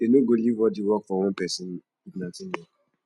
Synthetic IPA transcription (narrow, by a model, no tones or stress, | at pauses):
enoɡolivwɔdiwɔkfɔwɔ̃npɛsɪ̃n | iɡnatɪnwɔ